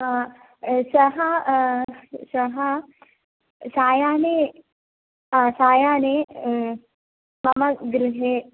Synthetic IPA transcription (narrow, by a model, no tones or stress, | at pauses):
ɦãː | sɐɦɐ | sɐɦɐ | saːjaːne | ɦasaːjaːne | mɐmɐɡɾiɦe